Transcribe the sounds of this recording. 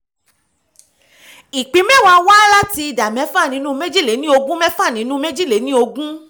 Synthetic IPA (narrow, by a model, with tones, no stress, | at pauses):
i˨k͡pĩ˨˦mɛ̃˦˨wa˧wa˦la˦ti˧i˧da˨mɛ̃˨˦fa˦˨nĩ˨˦nũ˦me˦d͡ʒi˦˨le˨˦nĩ˦o˧ɡũ˦mɛ̃˦fa˦˨nĩ˨˦nũ˦me˦d͡ʒi˦˨le˨˦nĩ˦o˧ɡũ˦